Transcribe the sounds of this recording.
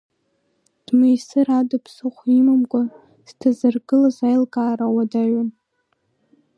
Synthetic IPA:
d̥majsɨɾadɨpʰsɨχʷimamɡʷʼa | stʰazɨrɡɨlazajlkʼaːɾawadaɥan

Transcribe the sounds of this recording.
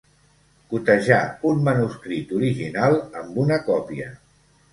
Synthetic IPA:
kut̪əʒaunmənuskɾit̪uɾiʒinalˠəmbunəkɔpiə

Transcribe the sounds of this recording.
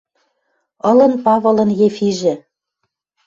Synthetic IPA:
ɤ̆lɤ̆npɑβɤ̆lɤ̆njefiʒɘ̆

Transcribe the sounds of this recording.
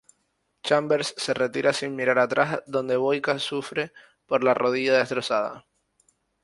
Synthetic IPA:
t͡ʃambe̞ɾsːe̞re̞t̪iɾasinmiɾaɾat̪ɾʔazðõ̞nd̪e̞βo̞jkasufɾe̞ | po̞ɾlarʔo̞ð̞iʝaðe̞st̪ɾo̞saða̰

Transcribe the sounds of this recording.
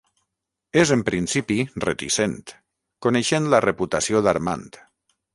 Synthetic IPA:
ezempɾinsipirḛt̪ḭsent̪ | koneʃent̪lareput̪asioðaɾma̰nt̪

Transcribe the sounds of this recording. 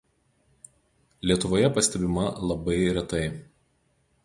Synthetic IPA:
lʲiɛt̪ʊʋoːjɛpɐsʲt̪ʲɛbʲɪmɐlˠɐbɐɪɾʲɛt̪ɐɪ

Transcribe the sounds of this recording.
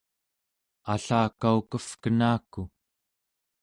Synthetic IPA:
aɬaːkaukəfkənaːku

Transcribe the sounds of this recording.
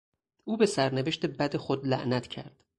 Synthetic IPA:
ʔuːbe̞sæɾneve̞ʃt̪e̞bæd̪e̞xod̪læ̰ʔnæt̪ʰcʰæ̰ɾd̪̥

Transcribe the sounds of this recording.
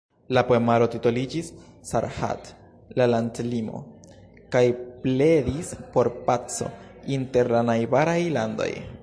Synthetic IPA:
lapoemaɾo̞titolid͡ʒisːaɾha̰t | lalantlimo̞̰ | kajple̞dispo̞ɾpat͡so̞̰inte̞ɾlanajbaɾajlando̞̰j

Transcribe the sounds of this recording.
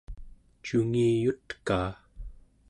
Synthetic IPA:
t͡ʃuŋiːjut̪kaː

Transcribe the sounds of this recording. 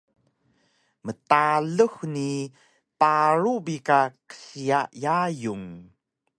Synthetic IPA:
mətaɮəxni | paɾubikakə̥siaʔjajuŋ

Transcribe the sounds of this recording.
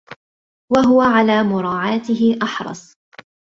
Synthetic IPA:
waɦʊwaʕalaːmʊɾˤɑːʕaːt̪ɪɦɪʔɑħɾˤɑ̰sˤ

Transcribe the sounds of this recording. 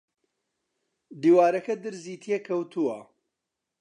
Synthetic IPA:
d̪iːwaːɾɐkɐd̪ɨɾziːt̪ʰijekʰɐwt̪ʰuwɐ

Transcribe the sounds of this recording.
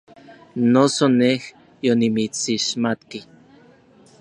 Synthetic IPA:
nosoneh | jonimit͡siʃmat̪ki

